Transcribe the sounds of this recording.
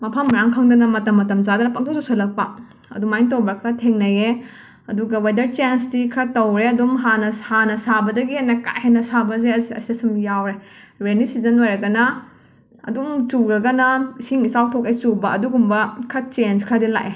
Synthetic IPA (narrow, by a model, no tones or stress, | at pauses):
mɐpʰɐmːɾaŋkʰɐŋdɐnɐmɐtɐmːɐtɐmzadɐnɐpaŋ̚tʰoktosʰɐlɐk̚pɐ | ɐ̰dumajntowbɾɐkʰɾɐtʰeŋnɐje | ɐduɡɐwejdɐɾt͡ʃensdikʰɾɐtowɾeɐdumɦanɐhanɐsabɐdɐɡianaka̰jhenɐsabɐzesɐ̰siɐsumjawɾe | ɾenisizɐnojɾɐɡɐnɐ | ɐ̰dumt͡ʃuɾɐɡɐnɐisiŋisawtʰɔkejt͡ʃubɐːduɡumbɐkʰɾɐt͡ʃenskʰɾɐdila̰ʔe